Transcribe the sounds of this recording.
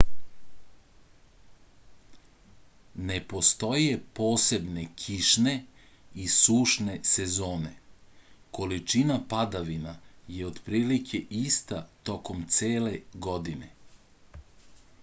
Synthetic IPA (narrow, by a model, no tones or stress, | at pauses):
ne̞po̞st̪o̞je̞po̞ːse̞bne̞kʰiʃne̞ | isuːʃne̞se̞zo̞ːne̞ | ko̞lit͡ʃinapad̪aʋinajeod̪pɾiːlikʰe̞ʔist̪at̪o̞ko̞mt̪seːle̞ɡo̞d̪ine̞